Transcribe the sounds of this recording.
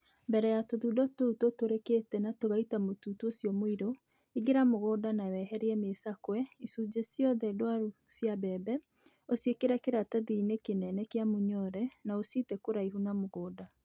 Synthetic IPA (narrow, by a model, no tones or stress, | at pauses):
mbɛɾɛjatoðuːdɔtoutotoɾeketɛnatoɣaitamotuːtuosiɔmoiɾo | iɡeɾamoɣodanawɛɦɛɾeɛmesakwɛisud͡ʑesjɔðɛdoaɾusjabɛːbɛ | osjekeɾɛkeɾataðiinekenɛnɛkeamoɲɔɾɛnaositɛkoɾaiɦunamoɣoːda